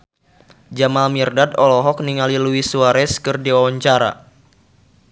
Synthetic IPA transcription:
d͡ʒamalmirdad̪ɔlɔɦɔk̚niŋaliluisuaɾɛskɨrdiwawaɲt͡ʃaɾa̰

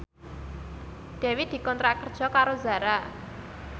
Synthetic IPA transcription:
ɖ̪̥ɛ̤wid̪̥i̤kɔnt̪ɾakərd̥ʒ̥ɔ̤kaɾoza̤ɾa

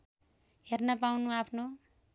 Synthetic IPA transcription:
ɦernʌpawnuapʰno

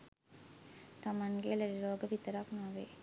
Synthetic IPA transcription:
t̪ɐmɐnɡeːlɐɾiɾoːɡɐʋit̪ːɐɾaːknaːʋḛː

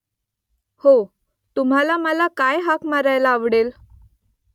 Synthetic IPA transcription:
ho | t̪um̤alaməlakajɦakmaɾajlaːʋɽel

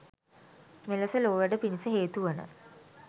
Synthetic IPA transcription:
meləsəloːʋəɖəpinisəɦeːt̪uʋənə̰

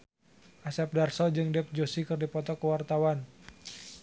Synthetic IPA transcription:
ʔasɛp̚darsɔd͡ʒɨŋdɛp̚d͡ʒosikərdipɔt̪ɔkəwart̪awan

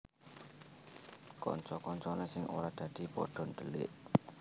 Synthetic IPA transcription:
kɔ̰ɲt͡ʃɔkɔɲt͡ʃɔnesɪŋʔṵɾad̪̥ä̤d̪̥i̤pɔ̰ɖ̥ɔ̤nd̪̥əlɪ̰ʔ

